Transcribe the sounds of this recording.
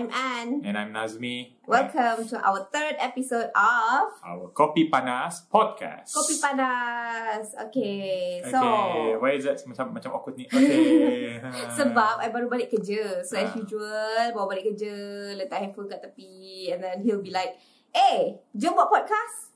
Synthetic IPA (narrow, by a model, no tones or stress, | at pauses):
ajmʔanɛ̰̃najmnazmi | wɛlkʰəmt̪uʔa̰wət̪ədɛpisodɔfa̰wəkɔpipanaspʰɔd̚kʰa̰skopipana | so̰kesowajisdɛtsmat͡ʃammat͡ʃãmɔkʊt̪̚nia | səbapajbaɾubalɪʔkːəd͡ʒəsoɛsjud͡ʒuəlbawabalɪʔkəd͡ʒələt̪aʔhɛnfunkat̪əpiɛ̃nd̪ɛ̃nhilbilaɪk̚ | ed͡ʒomwɔʔ̚pɔd̚kas